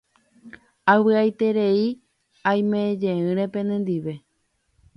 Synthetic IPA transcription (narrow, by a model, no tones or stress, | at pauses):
awɨajt̪e̞ɾe̞i | ãj̃mẽd͡ʒẽɨ̃ɾẽ̞pẽ̞nẽ̞nd̪iʋe̞